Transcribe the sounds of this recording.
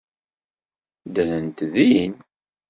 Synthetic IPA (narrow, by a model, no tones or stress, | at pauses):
d̪ænənt̪ðiin